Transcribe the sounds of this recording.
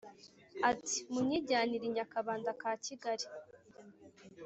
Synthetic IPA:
ati̥muɲiɟaːniɾiɲakaβaːndakaːciɡaɾi

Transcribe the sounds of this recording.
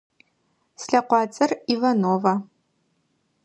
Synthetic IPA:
sɬɐqʷɑːt͡sʼɐrivɐnoːvɐ

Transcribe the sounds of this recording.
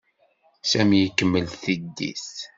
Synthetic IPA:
sæmjəkːəmːəlθid̪ːḭθ

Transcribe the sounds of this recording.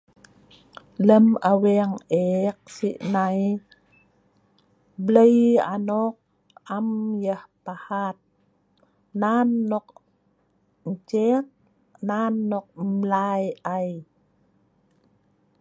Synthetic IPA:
ləmaweŋek̚siʔnaj | bləja̰nɔk̚ | amjəhpahat̪̚ | nanːɔk̚ | ɲt͡ʃet̚ | nanːɔk̚mlajʔaj

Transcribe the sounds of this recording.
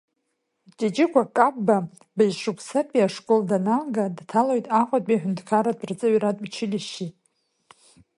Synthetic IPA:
t͡ʃʼet͡ʃʼɪkʷʰakʼabba | bajzʂukʷʰʼsapʼiaʂkʼoldanalɡadtʰalojtʼaχʷatʼiaħᶣʊndkʰaɾad̚ʼbrt͡sʼɨʕratʼbt͡ʃʰɪliʃitʼ

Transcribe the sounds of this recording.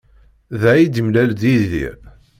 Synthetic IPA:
ðæid̪imlæld̪iðḭɾ

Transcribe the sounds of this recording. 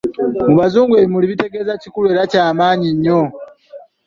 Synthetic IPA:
muβazuːŋɡweːβimuliβite̞ɡe̞zacikulue̞ːɾacaːmaːɲiɲːo̞

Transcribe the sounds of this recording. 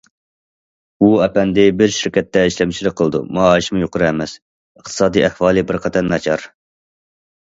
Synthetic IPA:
uɛpɛnd̪ɪbɪɾʃɪɾkʲɛt̪ʰːɛiʃlɛmɪt͡ʃʰilɪk̚ʲqʰəlˠɨd̪ṵmɑɑːiʃmujoqʊɾɨɛmɛs | əχt̪ʰɨ̥sɑːd̪iɛhwɑːlˠɨbɪɾqʰɑt̪ʰɑnnɑt͡ʃʰɑɾ

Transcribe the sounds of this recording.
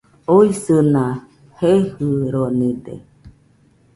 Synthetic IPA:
oisɨna | hehɯɾonĩd̪ḛ

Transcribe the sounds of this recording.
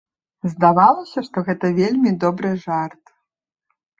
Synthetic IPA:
zd̪avalˠɐsʲɐʂt̪ɔɣɛt̪ɐvʲelʲmʲid̪ɔbɾɨʐart̪

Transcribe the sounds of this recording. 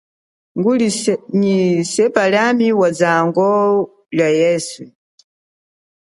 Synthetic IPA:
ŋɡuliɲisɛpaljamiwad͡zaŋɡɔ | lajɛːsu

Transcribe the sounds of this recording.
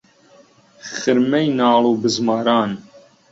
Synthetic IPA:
xɨɾmɛjnɑːluːbɨzmɑːɾɑːn

